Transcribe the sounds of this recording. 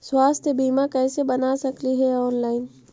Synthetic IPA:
swaːst̪ʰjəbiːmakɛːsebɐnasɐkliɦɛɔːnlaːɪn

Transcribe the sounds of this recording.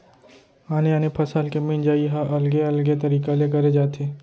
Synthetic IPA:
aːneaːnepʰɐsaːlkemɪ̃nd͡ʒaːiɦaʔɐlɡeɐlɡet̪ɐɾiːkalekɐɾed͡ʒaːt̪ʰeː

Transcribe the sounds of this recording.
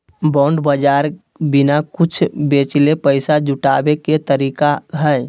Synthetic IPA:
bɔɳɖbəd͡ʒaːɾ | binakʊt͡ʃʰbet͡ʃlepəɪsad͡ʒʊʈabeket̪əɾiːkaɦɛɪ

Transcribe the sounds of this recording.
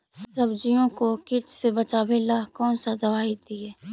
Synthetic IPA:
ssɐbd͡ʒijõkokɪʈsebɐt͡ʃaːbelakɔːnsad̪ɐʋaːid̪iɛː

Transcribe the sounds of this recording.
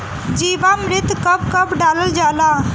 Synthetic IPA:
d͡ʒiːʋamɾɪt̪kəpkəbɖaːləld͡ʒaːla

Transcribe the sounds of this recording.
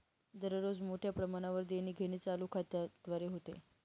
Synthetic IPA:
d̪əɾɾod͡zmoʈʰjapɾəmaɽ̃aʋəɾd̪eɽ̃iːɡʱeɽ̃iːt͡saluːkʰat̪jad̪̥ʋaɾeɦot̪ḛ

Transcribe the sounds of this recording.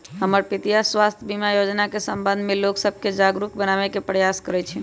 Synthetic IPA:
ɦəməɾpit̪ijasʋast̪ʰjbimajod͡ʒnakesəmbə̃nd̪ʱmẽloksəb̚ʱked͡ʒaɡɾuk̚bənaʋekepɾəjaskəɾɛt͡ʃʰɛ

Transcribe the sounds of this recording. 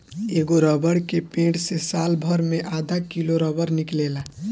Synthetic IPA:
eːɡoɾɔbəɽkepẽːʈsesaːlbʱəɾmeʔaːd̪ʱakiloɾɔbəɾnɪkleːla

